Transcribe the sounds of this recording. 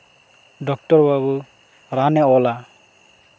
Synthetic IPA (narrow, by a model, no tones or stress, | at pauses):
dɔk̚tɔɾbabu | ɾanɛɔla